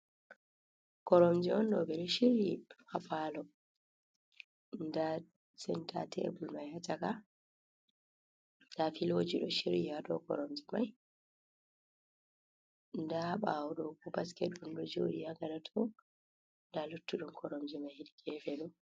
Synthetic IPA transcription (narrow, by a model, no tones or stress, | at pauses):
kɔɾomd͡ʒiɔnɗɔbɛɗɔʃiɾihapalɔ | nda | sɛntʰa̰tɛ̰bulmajhataka | dafilwod͡ʒiɗɔʃiɾihaɗɔ̰kɔ̰ɾɔmd͡ʒimaj | ndahaɓawɗɔkɔbaskɛtːunɗɔd͡ʒoɗijaɡalatʰɔ | ndalutːuɗumkʰɔɾɔmd͡ʒimajhiɗiɡɛfɛɗɔ